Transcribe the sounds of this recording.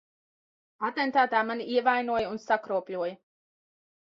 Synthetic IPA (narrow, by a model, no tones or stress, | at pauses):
at̪ɛnt̪aːt̪aːmaniiɛvajnuɔjunsakɾuɔplʲuɔjə